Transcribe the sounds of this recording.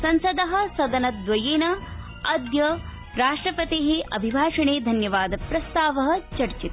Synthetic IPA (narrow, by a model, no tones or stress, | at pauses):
sɐnsɐd̪ɐɦɐ̆sɐd̪ɐnɐd̪ʋɐjeːnɐ | ɐd̪jɐ | ɾaːʂʈɾɐpɐt̪eːɦeʔɐbʱibʱaːʂɐɳeːd̪ʱɐnjɐʋaːd̪ɐpɾɐst̪aːʋɐɦɐ̆t͡ʃɐɾt͡ʃit̪